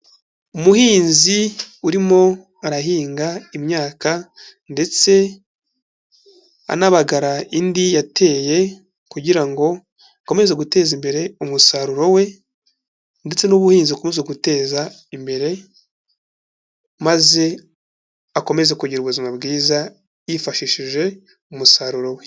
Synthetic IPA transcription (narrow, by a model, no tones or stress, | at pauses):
umuhiːnziuɾimo̞ | aɾaɦiːŋɡaimɲaːka | nde̞t͡se̞ | a̰naβaɡaɾaindijatʰe̞ːje̞ | kuɟiɾaŋɡo̞ | ako̞me̞zeɡute̞ːzimbe̞ɾe̞umusaɾuɾo̞we̞ | nde̞t͡se̞nuβuhiːnziukomezeɡute̞ːza | imbe̞ɾe̞ | maze̞ | ako̞me̞zekuɟiɾuβuzimabɡiːza | jifaʃiʃiʒe̞ | umusaɾuɾo̞we̞